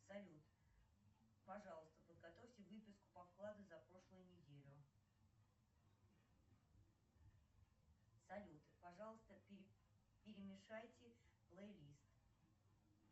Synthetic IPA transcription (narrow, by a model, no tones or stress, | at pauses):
sɐlʲut̪ | pɐʐɑlˠəst̪əpəd̪̚ɡɐt̪o̞fʲtʲɪvɨpʲɪskʊ̥pɐfklˠad̪ʊzɐpɾo̞ʂlˠəjʊnʲɪdʲelʲʊ | sɐlʲut̪ɨ̥pɐʐɑlˠəst̪əpʲ | pʲɪɾʲɪmʲɪʂajtʲɪplˠəjlʲist̪